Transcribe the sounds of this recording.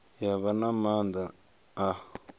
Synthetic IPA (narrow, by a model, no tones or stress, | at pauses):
jaβanamand̪a | a